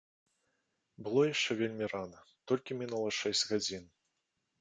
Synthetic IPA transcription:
bɨlˠɔjaʂt͡ʂɛvʲelʲmʲiranɐt̪ɔlʲkʲimʲinulˠɐʂɛsʲd͡zʲɣad͡zʲin

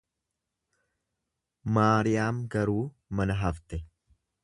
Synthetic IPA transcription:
maːɾɪjaːmɡɐɾuː | mɐnɐɦɐft̪ɛ

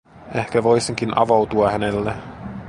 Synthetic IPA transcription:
e̞hkæʋo̞jseŋk̟inʔɑ̰ʋowt̪uɑhænelːe

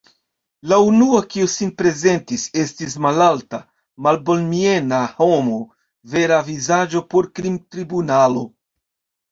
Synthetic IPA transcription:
launuakiusinpɾe̞ze̞ntise̞stis̬malalta | malbo̞lmie̞naho̞mo | ve̞ɾavizad͡ʒo̞poɾkɾimtɾibunalo̞

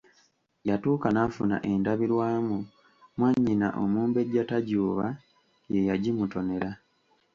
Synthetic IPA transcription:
jatuːkanafuna̰ʔe̞ndaβiɾwaːmu | mwaɲːina̰ʔo̰muːmbe̞ɟataɟuːβa | je̞jaɟimuto̞ne̞ɾa

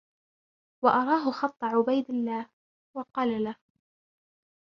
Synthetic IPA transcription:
wɑʔɑɾˤɑːɦʊxɑt̪ˤːɑʕʊbajd̪ɪlːaːh | wɑqɑːlalah

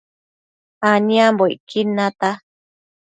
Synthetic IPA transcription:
anĩãmboikʰinãt̪a

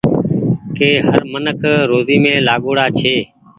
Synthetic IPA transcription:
keːɦəɾmənəkʰɾoːziːmẽːlaːɠoːɽaːt͡ʃʰeː

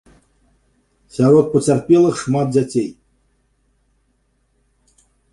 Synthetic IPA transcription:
sʲaɾɔt̪̚pɔt͡sʲarpʲelˠɨxʂmad̪̚d͡zʲat͡sʲej

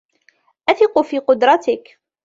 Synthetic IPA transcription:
ʔæθɪqʊfiːqʊd̪ɾˤɑt̪ɪk

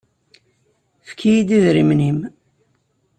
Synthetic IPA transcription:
fkʰijid̪iðɾimnim

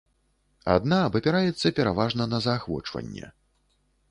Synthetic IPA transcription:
a̰d̪naːbɐpʲɛɾajɛt̪sːɐpʲɛɾavaʐnɐnɐzɐaːxvɔ̰t͡ʂvɐ̰nʲːɛ̰

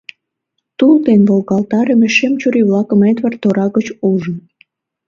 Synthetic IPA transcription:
t̪ult̪enβolɣɑlt̪ɑɾəmeʃemt͡ɕuɾiβlɑkəmet̪βɑrt̪oɾɑɣət͡ɕuʒən

